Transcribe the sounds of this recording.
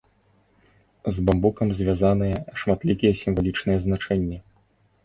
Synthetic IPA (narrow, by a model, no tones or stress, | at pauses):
zbambukɐmzʲvʲazanɨjɐʂmat̪lʲikʲijɛsʲimvalʲit͡ʂnɨjɛznat͡ʂɛnʲːɛ